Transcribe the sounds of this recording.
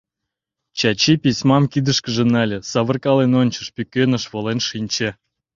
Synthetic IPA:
t͡ɕɑt͡ɕipʲisʲmɑmkʲid̪əʃkəʒĕnɑlʲĕsɑβərkɑlenonʲt͡ɕə̆ʃpʲykʲønəʃβolenʃinʲt͡ɕĕ

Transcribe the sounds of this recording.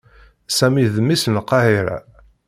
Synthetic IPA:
sæmiðmisənqːɑhiɾæ̰

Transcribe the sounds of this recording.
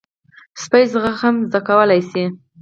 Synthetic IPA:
spajzɣaxhamzd̪akawəlajsi

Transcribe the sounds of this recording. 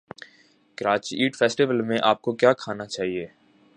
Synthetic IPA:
kəɾaːt͡ʃiiːʈfɛːsʈiʋəlmẽʔaːp̚kokjaːkʰaːnat͡ʃaːɦieː

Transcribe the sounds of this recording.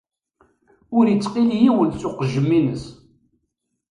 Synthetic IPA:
ʊɾjət͡sːqiljiwənsʊqəʒːəmːinəs

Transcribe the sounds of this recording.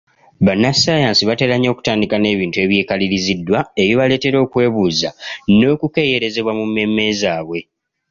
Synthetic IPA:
βanːasajaːnsiβate̞ɾaɲːo̞ːku̥taːndikane̞ːβiːntue̞βjeːkaliɾizidːwae̞joβale̞ːte̞ɾo̞ːkwe̞ːβuːzano̞ːkuke̞ːje̞ɾe̞ze̞βwamumːe̞mːe̞ːzaːβwe̞

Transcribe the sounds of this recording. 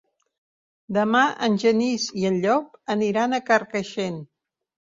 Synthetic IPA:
d̪əmaʔənʲʒəniziənʎɔp̚əniɾanəkərkəʃen

